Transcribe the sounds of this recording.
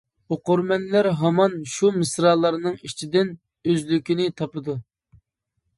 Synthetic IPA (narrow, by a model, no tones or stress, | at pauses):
oqʊɾmɛnlæɾɦɑmɑnʃumɨsɾɑːlˠːɑɾnɨŋit͡ʃʰid̪ɪn | øzlykʲinɪt̪ʰɑpɨd̪u